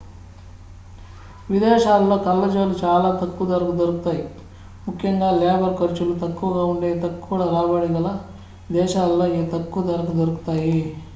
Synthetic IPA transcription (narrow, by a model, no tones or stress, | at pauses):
ʋid̪eːʃaːlːɐkɐlːed͡ʒʋɐlːit͡ʃaːlɐt̪ɐkːud̪ɐɾɐkud̪ɐɾuk̚t̪aːji | mukʰjɐŋɡaːleːbɐɾkɐɾt͡ʃulut̪ɐkːuɡɐuɳɖet̪ɐkːuɽɐɾaːbaːɭiɡɐlɐ | d̪ɛːʃaːllːɐit̪ɐkːud̪ɐɾɐkud̪ɐɾukt̪aːji